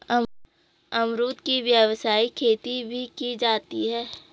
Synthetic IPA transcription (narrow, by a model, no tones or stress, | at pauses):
ɐmɾuːt̪kiʋjəʋsaːikʰeːt̪ibʱikid͡ʒaːt̪iɦɛː